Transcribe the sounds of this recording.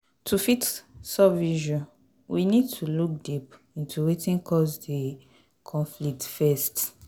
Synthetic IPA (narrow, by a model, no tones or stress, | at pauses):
tʰufitsɔbviʒɔ̃n | winid̚tʰuluk̚dip | ĩntuwetĩnkɔsde | kʰɔ̃nflik̚tfɛst